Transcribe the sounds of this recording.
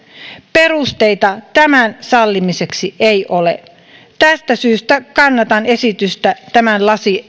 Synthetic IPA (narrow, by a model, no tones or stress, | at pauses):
pe̞rust̪e̞ijt̪ɑt̪æmænsɑlːimise̞ksiʔejʔolḛ | t̪æst̪æsyːst̪ækɑnːɑt̪ɑne̞sit̪yst̪æt̪æmænlɑsi